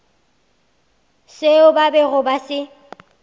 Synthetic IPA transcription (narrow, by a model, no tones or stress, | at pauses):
seʊbabɛɣʊbasɪ